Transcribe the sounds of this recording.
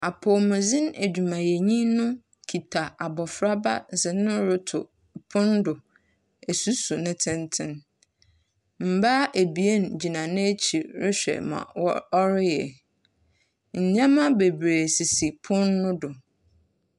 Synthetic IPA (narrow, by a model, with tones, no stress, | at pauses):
a˨pʰɔ˨mʊ̃˨zɪ̃˦ne˨d͡ʑᶣu˨mã˨jɛ˨ɲĩ˦nʊ̃˦ | kʰi˨tʰa˨a˨bɔ˨fɾa˦ba̰˦zɪ˨nɪ̃˦ɾʊ˦tʰʊ̰˨ | pʰʊ̃˦ndʊ˨ | æ˨su˦su˨nɪ̃˦tʰɪ̃˦ntʰɪ̃˦n | m̩˨ba˦ʔe˨bi˨e˦n˨d͡ʑi˨nã˨nɪ̃˦t͡ɕʰi˨ɾɪ˦ɕᶣɛ̰˨mã̰˨wɔ˦ɾɪ˦jɛ̰˨ | ɲ̩˨ɲã˦mã˦be˨bɾe˨si˨si˨pʰʊ̃˦nːʊ̃˦dʊ˨